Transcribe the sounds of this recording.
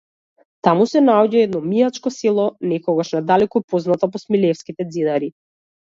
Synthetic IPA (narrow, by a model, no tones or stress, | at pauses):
t̪amusɛnaɔɟaɛd̪nɔmiat͡ʃkɔselˠɔnɛkɔɡaʃnad̪alɛkɔpoznat̪ɔpɔsmilɛfskit̪ɛd̪zinaɾi